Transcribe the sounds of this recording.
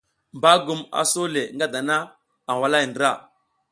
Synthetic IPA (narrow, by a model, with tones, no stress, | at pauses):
mba˦ɡu˦ma̰˨so˦le˨ŋɡa˦da˨na˦ | a˨wa˦la˦˨jndɾa˦˨